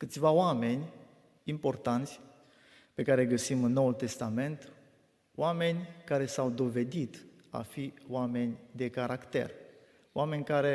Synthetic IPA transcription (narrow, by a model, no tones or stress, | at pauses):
kɨt̪sʲvaoame̞nʲ | impo̞rt̪ant̪sʲ | pe̞kaɾeɡəsimɨnːo̞wult̪e̞st̪ame̞nt̪ | wame̞nʲkaɾe̞sawd̪o̞ve̞d̪it̪ | a̰fioame̞nʲd̪e̞kaɾakt̪e̞̰r | oame̞nʲkaɾe̞